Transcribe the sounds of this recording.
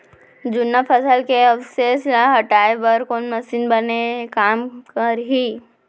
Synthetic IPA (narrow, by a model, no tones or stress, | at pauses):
d͡ʒʊnːapʰəsəlkeəseslaɦəʈaːebəɾkoːnməsiːnbɐnekaːmkəɾɦi